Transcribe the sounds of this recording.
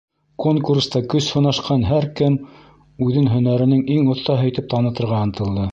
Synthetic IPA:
koŋkurst̪ɑkɵshŏnɑʃqɑnɦæɾkɘm | ʉðɘnɦɵ̆næɾɘ̆nɘŋiŋŏθːɑɦɵ̆jt̪ɘp̚t̪ɑnɤ̆t̪ɤ̆ɾʁɑɤ̆nt̪ɤ̆lˠd̪ɤ

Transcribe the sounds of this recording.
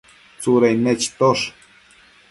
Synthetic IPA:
t͡suɾajnet͡ʃt̪oʂ

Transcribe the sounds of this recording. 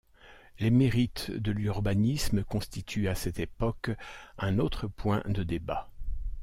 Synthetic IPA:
lemeʁit̪d̪əlyʁbanisməkɔ̃st̪it̪ʰyasɛt̪epɔkɛ̃not̪χəpwɛ̰̃d̪əd̪eba

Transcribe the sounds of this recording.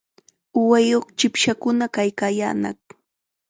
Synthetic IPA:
ʊwajoχt͡ʃɪpʃakʊnakajkaːja̰ːnɑ̰χ

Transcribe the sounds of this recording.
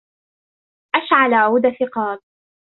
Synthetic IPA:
ʔaʃʕalaʕʕud̪afɪqɑːb̚

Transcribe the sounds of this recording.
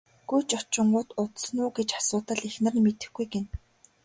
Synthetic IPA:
ɡ̥ujt͡ɕɔt͡ɕɪ̆ɴɢʊːt̪ʊt̪snʊːɡet͡ɕḁsʊːt̪ə̆ɮexnə̆rnmet̪ɘ̆xɡujɡen

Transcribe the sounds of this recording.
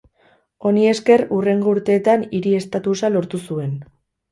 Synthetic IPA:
o̞nie̞ske̞rure̞ŋɡo̞uɾt̪e̞ːt̪aniɾie̞st̪at̪usalo̞ɾt̪usue̞n

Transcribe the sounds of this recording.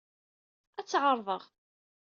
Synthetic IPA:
æt͡sːʕəɾˤðˤəʁ

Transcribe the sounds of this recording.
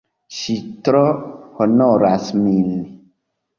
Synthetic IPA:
ʃitɾɔhonɔɾasmili

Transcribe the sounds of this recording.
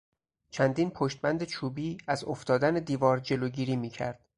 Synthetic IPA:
t͡ʃʰænd̪iːnpʰoʃt̪̚bænd̪et͡ʃʰuːbiːæzoft̪ɒːd̪æned̪iːvɒːɾd͡ʒe̞loɟiːɾiːmiːcʰæ̰ɾd̪̥

